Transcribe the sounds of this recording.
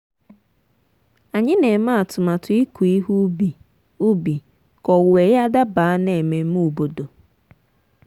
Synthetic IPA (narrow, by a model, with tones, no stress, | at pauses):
a˨ɲɪ˦ne˨ma˦a˨tʊ˨ma˨tʊ˨i˦ku˨i˦ɦu˦bi˨ | u˦bi˨ | kɔ˨we˨ja˦da˦ba˨a˦ne˨me˦m̩˦u˨bo˨do˨